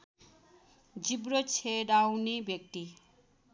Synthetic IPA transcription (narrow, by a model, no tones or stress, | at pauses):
d͡ʒibɾot͡sʰeɽawnibjek̚t̪i